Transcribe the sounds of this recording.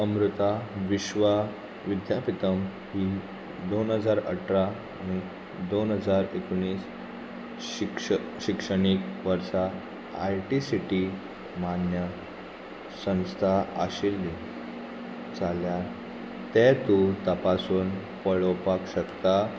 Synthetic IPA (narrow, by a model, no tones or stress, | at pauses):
əmɾut̪aʋiɕʋa | ʋid̪japit̪əm | ɦiː | d̪onɦəd͡zaɾə̰ʈʰɾa | ani | d̪onɦəd͡zaɾekoɳ̃iːs | kɕikʂəɽ̃ikʋəɾʂa | a̰jʈisiʈi | manjə | sə̃st̪ʰaə̰ɕild̪i | t͡saljaɾ | t̪ɛt̪ut̪əpasuːn | pəɭəwpakɕəkt̪a